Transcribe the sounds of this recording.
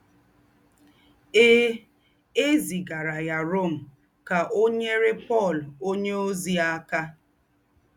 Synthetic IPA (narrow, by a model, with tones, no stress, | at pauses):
eː˦ | e˦zi˨ɡa˨ɾa˨ja˨ɾo˦˨m̩˨ | ka˨ʔo˦ɲe˦ɾe˦pɔ˦˨lo˦ɲe˦o˦zi˦a˦ka˦